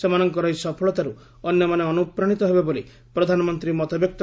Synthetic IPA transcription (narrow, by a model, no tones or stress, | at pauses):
semanɔŋkɔɾɔɦisɔpʰɔɭɔt̪aɾu | ɔnjɔmaneɔnupɾaɽ̃it̪ɔɦebeboli | pɾɔd̪ʱanɔmɔnt̪ɾimɔt̪ɔbjɔk̚t̪